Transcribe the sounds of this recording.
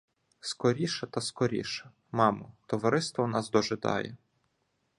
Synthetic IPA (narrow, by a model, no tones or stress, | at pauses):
skɔɾʲiʃɐt̪ɐskɔɾʲḭʃɐ | mɑmʊt̪ɔʋɐɾɪst̪ʋɔnɑsd̪ɔʒɪd̪ɑ̰jɛ̰